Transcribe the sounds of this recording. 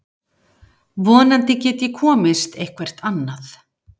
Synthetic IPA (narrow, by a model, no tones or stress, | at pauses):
vɔːnant̪ɪcɛːt̪jɛkʰɔːmɪst̪ejhkʰvɛr̥t̪anːaθ